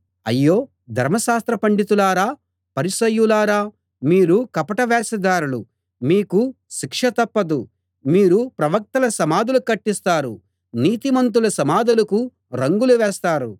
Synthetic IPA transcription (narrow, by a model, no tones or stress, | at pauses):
ɐ̰jːo̞ː | d̪ʱɐɾmɐʃaːst̪ɾɐpɐɳɖit̪ulaːɾaː | pɐɾisɐjːulaːɾaː | miːɾukɐpɐʈɐʋɛːsɐd̪aːɾulṵ | miːku | ʃikʂɐt̪ɐpːɐd̪u | miːɾupɾɐʋɐk̚t̪ɐlɐsɐmaːd̪ulukɐʈːist̪aːɾṵ | niːt̪imɐnt̪̬ulɐsɐmaːd̪ɐlɐku | ɾɐŋɡuluʋɛːst̪aːɾṵ